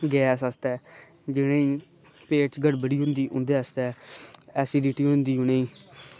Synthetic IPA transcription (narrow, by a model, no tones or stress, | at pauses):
ɡɛːsəst̪ɛː | d͡ʒɪɽ̃ẽːĩː | peːʈt͡ʃɡəɽbəɽiːɦʊ̃nd̪iːʊ̃nd̪eːast̪ɛːɛːsiːdiːʈiːɦʊ̃nd̪iːɦʊnẽːĩː